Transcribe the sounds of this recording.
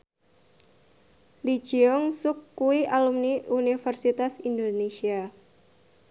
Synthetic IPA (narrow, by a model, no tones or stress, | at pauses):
li̥d͡ʒ̥iɔŋsʊkːuiʔalumniunifərsit̪asindonesia